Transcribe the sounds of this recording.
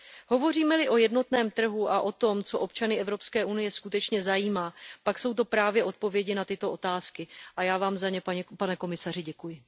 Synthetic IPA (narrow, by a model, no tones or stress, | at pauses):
ho̞vo̞r̝iːmɛlɪʔo̞jɛdno̞t̪nɛːmt̪r̩ɦuʔaʔo̞t̪o̞mt͡so̞ʔo̞pt͡ʃanɪʔɛvɾo̞pskɛːʔunɪjɛskut̪ɛt͡ʃɲɛzajiːmaːpakso̞wt̪̬o̞pɾaːvjɛʔo̞t̪̚po̞vjɛɟɪnat̪ɪt̪o̞ʔo̞t̪aːskɪʔajaːvaːmzaɲɛpaɲɛpanɛko̞mɪsarɪɟɛkujɪ